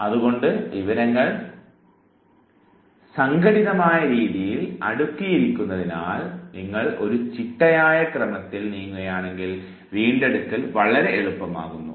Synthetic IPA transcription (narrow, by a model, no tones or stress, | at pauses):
ɐðuɣo̞ɳɖɨʋiʋɐɾɐŋːɐɭ | sɐŋɡɐɽiðɐmaːjɐɾiːðijilɐ̰ɽukːijiɾikʲːunːɐðinaːlniŋːɐɭo̞̰ɾut͡ɕiʈːɐjaːjɐkrɐmɐt̪ːilniːŋːuɐjaːɳe̞ŋɡil | ʋiːɳɖe̞ɽut̪ːilʋɐɭɐɾe̞ʔeɭupːɐma̰ːɣunːu